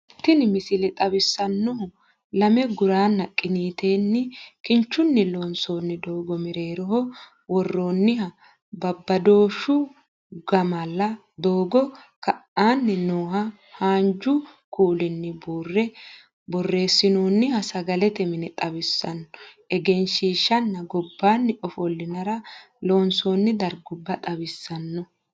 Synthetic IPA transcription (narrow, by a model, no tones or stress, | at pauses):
t̪ːɪnɪmɪsɪlɛt̪ʼɐbɪsːɐnːɔhɔ | lɐmɛɡʊɾaːnːɐkʼɪniːt̪e̞ːnːɪkɪnt͡ʃːʊnːɪloːnso̞ːnːɪd̪oːɡɔmɪɾe̞ːɾɔɦɔ | wɔrːo̞ːnːɪhɐ | bɐbːɐd̪o̞ːʃːʊ | ɡɐmɐlːɐ | d̪o̞ːɡɔkɐʔaːnːɪnoːhɐ | haːnd͡ʒʊkuːlɪnːɪburːɛ | bɔrːe̞ːsːɪnoːnːɪhɐsɐɡɐlɛt̪ɛmɪnɛt̪ʼɐbɪsːɐnːɔ | ɛɡɛnʃiːʃɐnːɐɡɔbːaːnːɪʔɔfɔlːɪnɐɾɐ | loːnsoːnːɪd̪ɐɾɡʊbːɐt̪ʼɐbɪsːɐnːɔ